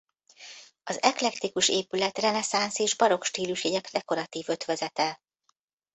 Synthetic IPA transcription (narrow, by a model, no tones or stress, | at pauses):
ɒzɛklɛkt̪ikuʃeːpylɛt̪rɛnɛsanseːʒbɒɾo̞kʃt̪iːluʃɛɟɛkd̪ɛko̞ɾɒt̪iːvø̞t̪ʋɛzɛt̪ɛ